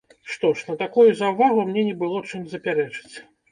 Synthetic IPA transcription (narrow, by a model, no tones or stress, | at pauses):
ʂt̪ɔʂnɐt̪akujuzɐwvaɣumnʲɛnʲɛbɨlˠɔt͡ʂɨmʲzɐpʲaɾɛt͡ʂɨ̥t͡sʲ